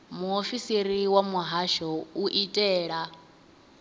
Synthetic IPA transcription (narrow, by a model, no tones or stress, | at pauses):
muofisiɾiwamuɦaʃɔuʔitʼɛːɺa